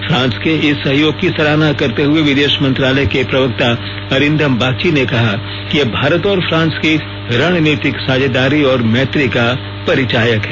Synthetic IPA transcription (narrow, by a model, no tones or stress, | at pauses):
fʰɾãːnskeɪsːɐɦjoːɡ̚kisɐɾaːnakɐɾt̪eɦʊeʋɪd̪eːʃmɐ̃nt̪ɾaːləjkepɾɐʋək̚t̪a | ɐɾɪ̃nd̪ʱəmbaːkt͡ʃinekɐɦa | kijebʱaːɾət̪ɔːɾfʰɾãːnski | ɾaːɽ̃niːt̪ɪksaːd͡ʒəd̪aːɾiɔːɾmɛːt̪ɾika | pɐɾɪt͡ʃaːjəkɦɛː